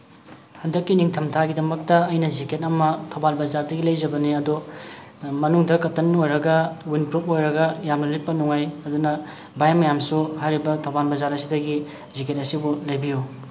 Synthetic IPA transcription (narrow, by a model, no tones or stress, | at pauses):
hɐndɐkːiniŋtʰɐmtʰaɡidɐmɐk̚tɐːjnɐziket̚ɐmɐtʰowbalbɐzaɾdɐɡilɐjd͡ʒɐbɐniɐdu | mɐnuŋdɐkɐtːɐnojɾɐɡɐwinpɾupojɾɐɡɐjamnɐlit̚pɐnuŋajɐdunɐ | bajmɐjamsuhajɾibɐtʰawbanbɐzaɾɐsidɐɡi | ziket̚ɐsibulɐjbiju